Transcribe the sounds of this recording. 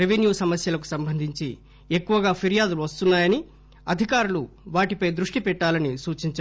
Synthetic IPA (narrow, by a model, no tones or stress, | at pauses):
ɾeʋenjuːsɐmɐsjɐlɐk̬u̥sɐmbʱɐnd̪ʱiɲt͡ʃi | ekːuʋɐɡaːpʰiɾijaːd̪uluʋɐst̪unːaːjɐni | ɐd̪ʱikaːɾulu | ʋaːʈipɐjd̪ɾuʂʈipɛʈːaːlɐnisuːt͡ʃiɲt͡ʃa